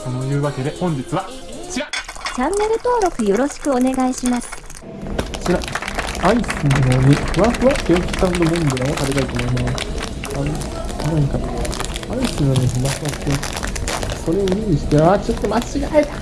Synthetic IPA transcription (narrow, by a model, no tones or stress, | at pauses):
konojɯ̟ːβake̞d̪e̞hõ̞ɲ̟d͡ʑit͡sɨβa | t͡ɕiɾat͡ɕãnːe̞ɾɯ̟t̪o̞ːɾo̞kɯ̟jo̞ɾo̞ɕi̥kɯ̟o̞ne̞ɡaiɕimasɨ̥ | t͡ɕiɾaaisɨnanonʲihɯ̟βaɸɯ̟βakẽki̥sãnd̪omõnd̪eɾaot̪aɾʲit̪ait̪o̞mo̞imas | aɾe | anaĩkat̪a | aisɨnoneɸɯ̟βaɸɯ̟βakke | so̞ɾeiiɕi̥t̪eat͡ɕot̪ːomat͡ɕiɡae